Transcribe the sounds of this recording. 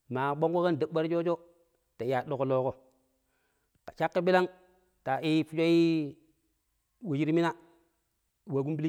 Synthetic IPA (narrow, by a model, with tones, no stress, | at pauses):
ma˨ɓo˦ŋko˦ka˦ndə˨ɓa˦ɾd͡ʒo˦t͡ʃo˦ | ta˨ja˨ɗo˨ko˨lo˨˦ko˨ | ka˨t͡ʃa˦kːi˦bi˦la˦ŋ | ta˨i˦fu˦t͡ʃo˦ji˦ | wu˨d͡ʒi˦ɾmi˦na˦ | wa˨ɡu˦m˦bi˦li˦